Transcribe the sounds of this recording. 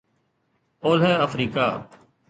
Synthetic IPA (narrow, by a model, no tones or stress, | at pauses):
oːlɦɛːəfɾiːkaː